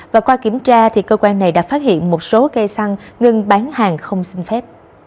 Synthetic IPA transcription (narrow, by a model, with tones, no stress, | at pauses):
vaː˨˩kwaː˧ki˧˩əmt͡ɕaː˧t̪ʰi˨˩kəː˧kwaː˧nːa˨˩jɗa̰ː˧˥fa˦˥t̚hḭ˧˨ənmo˨˩t̚so˨˦ke˧sa˧ŋŋɨ˧ŋɓaː˨˦nhaː˨˩ŋxə˧wŋ͡msï˧ŋ̟fɛ˦˥p̚